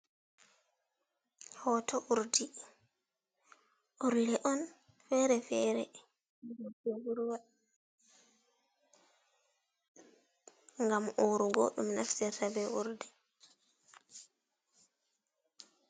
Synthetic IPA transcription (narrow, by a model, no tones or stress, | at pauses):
hɔtʰɔʔuɾdi | ʔuɾlɛʔɔn | fɛɾɛfɛɾɛ̰ | ɡɔd͡ʒeɡuɾwa | ŋɡamʔuɾuɡɔ̰ɗumnaftɛɾtabɛʔuɾdɛ